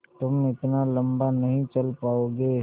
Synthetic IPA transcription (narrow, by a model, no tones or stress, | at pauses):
t̪ʊmɪt̪nalɐ̃mbanɐɦĩt͡ʃɐlpaːoːɡeː